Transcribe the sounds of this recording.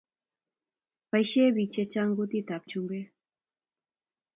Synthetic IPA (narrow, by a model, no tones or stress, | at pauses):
pajʃeːbit͡ʃet͡ʃaŋɡut̪it̪ap̚t͡ʃumbe